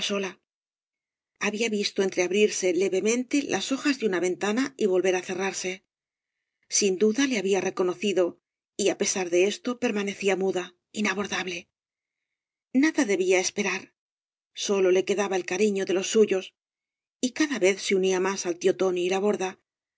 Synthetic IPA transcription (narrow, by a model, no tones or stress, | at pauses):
so̞la | aβiaβist̪o̞e̞nt̪ɾe̞aβɾiɾse̞le̞βe̞mẽ̞nt̪e̞lʔaso̞xazðeunaβe̞nt̪anaiβo̞lβe̞ɾaθe̞raɾse̞ | sind̪uðale̞aβiare̞ko̞no̞θiðo̞ | iape̞saɾðe̞e̞st̪o̞pe̞ɾmane̞θiamuða | inaβoɾðaβle̞ | naðaðe̞βiaespe̞ɾaɾ | so̞lo̞le̞ke̞ðaβae̞lkaɾiɲo̞ðe̞lo̞sːuʝo̞s | ikaðaβe̞θseuniamasalt̪jo̞t̪o̞niːlaβ̞o̞ɾða